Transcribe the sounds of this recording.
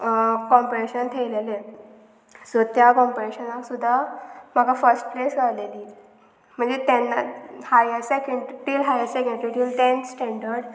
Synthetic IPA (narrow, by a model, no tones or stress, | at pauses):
kɔmpɾeɕənt̪ʰeʋlele | sot̪jakɔmpɾeɕənaksud̪ʱːam̤aɡafəɾsʈ̚plesd͡zaleliː | m̤əɳd͡zet̪ɛnːahajəsekəɳʈilɦajəɾsɛkə̃ɳɖɾiʈilt̪ẽnsʈɛ̃ɳɖəɾɖ